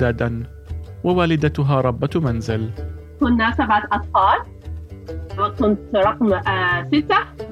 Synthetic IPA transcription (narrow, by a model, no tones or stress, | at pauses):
aːd̪an | wawaːlɪd̪at̪ʊɦaːɾˤɑbːɑmanzɪlkʊnːasabʕat̪ʔɑt̪ˤfɑːl | wsʊnt̪ɾˤɑqmsɪt̪ːa